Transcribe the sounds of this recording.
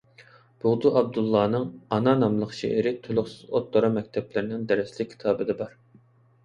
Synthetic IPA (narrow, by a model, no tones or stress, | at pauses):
b̥ʊʁd̪uɑb̚d̪ulˠːɑːnɨŋɑnɑnɑmlˠəqʃḛʔɪɾɪt̪ʰolˠʊχsɨzot̪ːoɾɑmɛk̚ʲt̪ʰɛplɪɾɪnɪŋd̪ɛɾɪslɪk̚ʲʰːi̥t̪ʰɑːbɨd̪ɛbɑɾ